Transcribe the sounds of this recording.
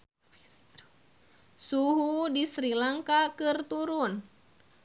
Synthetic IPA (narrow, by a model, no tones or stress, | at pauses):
suɦudisɾilaŋkakɨrt̪uɾun